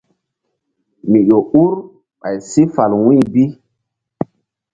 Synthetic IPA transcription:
mi˨ɗo˨u˦ɾ | ɓa˨jsi˦fa˨lwĩ˦˨bi˦

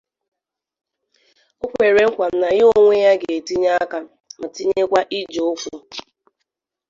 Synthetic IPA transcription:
o˦kʷe˨ɾe˨ŋ̩˦kʷa˨m̩˦na˨ɣɪ˦o˦ŋʷe˦ja˦ɡe˨e˨ti˦ɲa˦ka˦ | m̩˨ti˦ɲe˦kʷa˦ʔi˦d͡ʒo˨˦fu˦

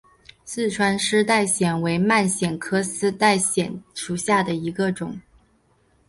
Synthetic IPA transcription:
sɹ̩˥˩ʈ͡ʂʰwa˥nʂɻ̩˥t̪a˥˩ɪɕjɛ˨˩nwe˧˥ɪma˥˩nɕjɛ˨˩nkʰɤ˥sɹ̩˥t̪a˥˩ɪɕjɛ˨˩˦nʂu˨˩ɕja˥˩d̪ə˩i˧˥ɡə˧ʈ͡ʂʊ˨˩˦ŋ

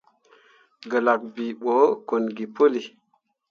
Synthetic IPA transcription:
ɡə˨la˨k̚bi˨ɓo˨˦ko˨nɡi˨po˦li˨

